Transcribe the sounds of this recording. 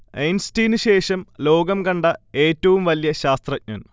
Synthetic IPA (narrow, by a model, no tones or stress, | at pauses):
ejnstiːnɨɕe̞ːʂɐmlo̞ːɡɐmkɐɳɖɐe̞ːtːɐʋumʋɐlijɐɕaːst̪rɐk̚nɐn